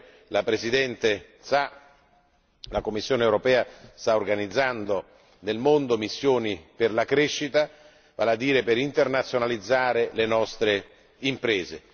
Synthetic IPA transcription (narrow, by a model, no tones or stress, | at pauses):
lapɾesid̪ɛnt̪e | sa | lakomːisːjoːneɛwɾopɛːast̪aorɡanid̪zːand̪o | nelmond̪omisːjoːniperlakɾeʃːit̪a | valad̪ːiːɾepeɾint̪ernat̪sːjonalid̪zːaːɾelenɔst̪ɾe | impɾeːze